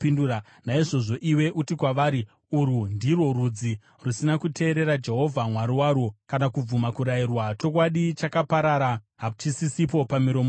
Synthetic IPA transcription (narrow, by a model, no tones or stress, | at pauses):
induɾa | naiʐo̞ʐo̞ʔiwe̞ʔutikwaʋaːɾi | uɾundirwo̞rud͡zi | rusinakutʰe̞ːɾe̞ɾad͡ʒe̞ɦo̞vʱamwaɾiwaːɾokanakub͡vumakuɾairwat͡ʃo̞k̬waɗit͡ʃakapaɾaɾa | ɦat͡ʃisisip̬o̞pamiɾo̞mo